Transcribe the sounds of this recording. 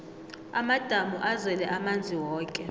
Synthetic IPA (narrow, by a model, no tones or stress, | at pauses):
amad̥ʱamuʔazwɛlɛʔamand͡zʱiwɔːkʼɛ